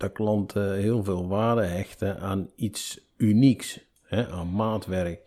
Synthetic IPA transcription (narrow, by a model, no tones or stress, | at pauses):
d̥əklɑnthɪəlˠvɪːlˠʋaːdəɦɛxtəʔaːnits | yniks | hɛʔaːnmaːtʋɛrək